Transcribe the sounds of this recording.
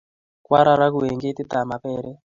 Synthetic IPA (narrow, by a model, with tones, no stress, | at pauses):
kwa˦ɾa˦ɾa˦ku˨e˨ŋɡe˦t̪i˦t̪a˨ma˨pɛ˦ɾɛ˦